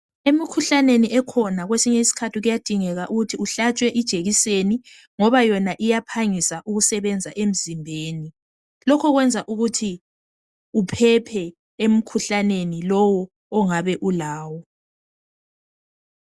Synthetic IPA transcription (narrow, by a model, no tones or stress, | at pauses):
emikʰuɬaneniʔɛkʰɔnaɣwesiɲɛisi̥kʰatʰiɣujad̥ʱiŋɛɣaʔuɣutʰiuɬat͡ʃʼwɛʔid̥ʒ̥ʱeɣiseni | ŋɔβajɔnaʔijapʰaŋisaʔuɣusɛβɛnd͡zʱaʔem̩zimbʱeːni | lɔkʰɔɣwɛnd͡zʱaʔuɣutʰi | upʰɛpʰɛ | em̩kʰuɬanenilɔwɔː | ŋaβɛʔulaːwɔ